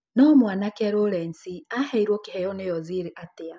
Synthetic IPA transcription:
nɔmwanakɛɾoɾɛnsiahɛiɾwɔkɪhɛjɔnejɔziɾiʔatɪa

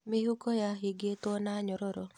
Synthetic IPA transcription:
mɪhukɔjaɦiɡet̪ɔnaɲɔɾɔɾɔ

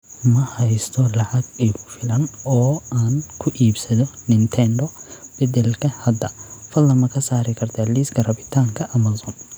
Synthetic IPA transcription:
mɐhɐjst̪ʰɔlɐʕɑɡiːɣʊfɪlɐnɔːaːnkʰʊʔiːbsɐðɔnɪnt̪ʰɛnɖɔb̥ɛd̪ɛlkʰɐhɐd̪ɐfɐlːɐmɐkʰɐsaːɾɪkʰɐrt̪ʰalisɡɐrɐbɪt̪ʰaːŋkʰɐʔɐmɐsɔːn

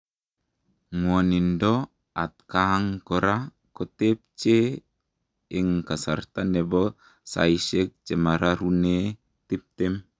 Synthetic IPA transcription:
ŋwɔnindɔ | at̪̚kaɦaŋkɔɾa | kɔt̪ep̚t͡ʃe | iŋkasart̪anɛbɔ | sa̰jsɛk̚t͡ʃemaɾaɾune | t̪ip̚t̪ɛm

